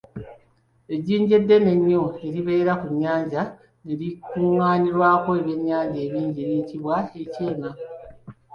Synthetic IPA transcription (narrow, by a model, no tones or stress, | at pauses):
eɟiːɲɟe̞dːe̞ne̞ɲːoeɾiβeːɾakuɲːaːɲɟa | neɾikuŋaːniɾwaːkoeβjeɲːaːɲɟe̞ːβiːɲɟiɾiciβwaeceːma